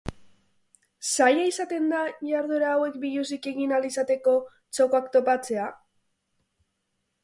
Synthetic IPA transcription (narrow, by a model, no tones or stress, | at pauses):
sajaisat̪e̞nd̪aʝaɾðoɾaːwe̞kbiʎuzike̞ɣinalisat̪e̞ko̞ | t͡ʃokoakt̪o̞pat͡se̞a